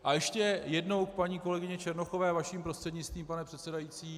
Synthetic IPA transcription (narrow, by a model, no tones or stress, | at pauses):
ʔajɛʃcɛjɛdno̞wk̚paɲiːko̞lɛɡɪɲɛt͡ʃɛɾnoxo̞vɛːvaʃiːmpɾost̪r̥ɛdɲɪt͡st̪viːmpanɛpr̥ɛt̪sɛdajiːt͡siː